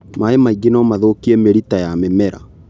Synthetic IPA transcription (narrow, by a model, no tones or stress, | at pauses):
maemaiɡenɔmaðokiɛmeɾitajamemɛɾa̰